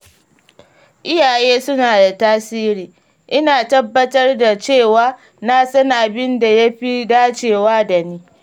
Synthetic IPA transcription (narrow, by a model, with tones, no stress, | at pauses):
ʔɪ˦jaː˨jeː˦sʊ˦naː˨da˨taː˦siː˦ɾiː˨ | ʔɪ˦naː˨tɐ˦bːɐ˦tɐ˦rda˨t͡ʃeː˦˨waː˦ | na˦sɐ˦ŋʔa˨bɪ˦nda˨ja˦ɸi˦daː˦t͡ʃeː˨waː˦da˨niː˦